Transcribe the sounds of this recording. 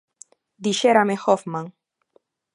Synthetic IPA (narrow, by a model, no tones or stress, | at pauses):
d̪iʃeɾamexɔfmãŋ